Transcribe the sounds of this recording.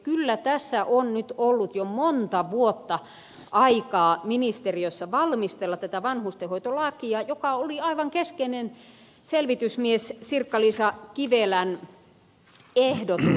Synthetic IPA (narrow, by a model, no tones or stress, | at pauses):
kylːæt̪æsːæʔonnyt̪olːut̪jomont̪ɑʋuot̪ːɑ | ʔɑikɑːminist̪eriosːɑʋɑlmist̪elːɑt̪æt̪æʋɑnhust̪ehoit̪olɑkiɑjokɑoliɑiʋɑŋkeskeinen | selʋit̪ysmiessirkːɑliːsɑkiʋelæn | ehdot̪u